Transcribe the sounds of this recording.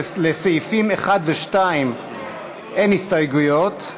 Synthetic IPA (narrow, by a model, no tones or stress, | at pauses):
lesefimeχad̪veʃtaim | ʔenhistajɡujot